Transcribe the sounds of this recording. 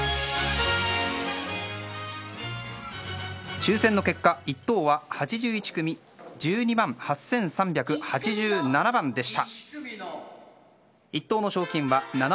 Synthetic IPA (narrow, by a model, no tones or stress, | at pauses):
t͡ɕɨːsenːoke̞kːait̪ːo̞ːβahat͡ɕiʑɨːit͡ɕi̥kɯ̟mʲi | d͡ʑɨːɲ̟imãŋ̃hasːẽ̞ɰ̃sãmbʲakɯ̟hat͡ɕiʑɨːnanabãnd̪e̞ɕi̥t̪a | it̪ːo̞ːno̞ɕo̞ːkʲĩɰ̃βanan